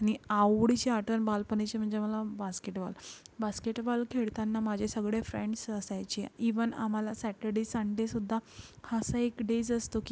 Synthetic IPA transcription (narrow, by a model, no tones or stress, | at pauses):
añiaɽit͡ɕiaʈənbalpənet͡ɕem̤əɳd͡ʑeməlabaskeʈba̰lbaskeʈbalkʰeɭt̪anːamad͡ʑʱesəɡɭefɾeɳɖsəsajt͡ɕeiʋəna̰m̤alasæʈəɽesəɳɖesud̪ʱːahəsəekɖed͡zəst̪oki